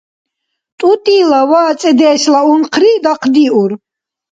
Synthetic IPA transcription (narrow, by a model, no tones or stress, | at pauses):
t̪ʼut̪ʼiːlawaːt͡s̪ʼɛd̪ɛːʃlaunqʰɾid̪aqʰd̪iʔuɾ